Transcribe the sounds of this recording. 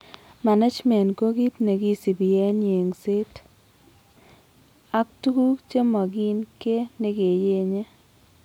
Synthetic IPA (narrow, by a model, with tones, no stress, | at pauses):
ma˨na˦d͡ʒmɛ˨nko˦ɡi˦tne˨ki˦si˨bi˨ɛ˦ne˨ŋse˦t | a˦ktu˦ku˦t͡ʃe˦mɔ˨ɡi˦nke˦ne˦ke˨je˦ɲe˦